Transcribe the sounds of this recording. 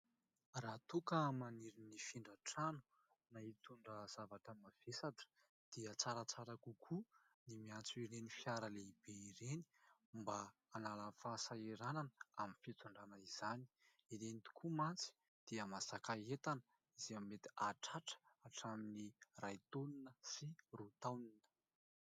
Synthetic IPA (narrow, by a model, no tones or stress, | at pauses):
raːt̪ukəmaniɾinifiɳɖ͡ʐaʈ͡ʂanu̥ | nait̪uɳɖ͡ʐəz̥avaʈ͡ʂəmav̥esaʈ͡ʂə̥ | d̪̥iət͡saɾət͡saɾakukʰu | nimiant͡suiɾenifjaɾəleib̥eiɾeni̥mbaː | nalafaːsaeɾananəaminfit͡s̪uɳɖ͡ʐanaiz̥ani̥ | iɾenit̪u̥kʰumant͡si̥ | d̪̥iəmasakaet̪anə̥ | izeamiːet̪i̥aʈ͡ʂaʈ͡ʂə̥aʈ͡ʂaminirajt̪oninəsirut̪awninə̥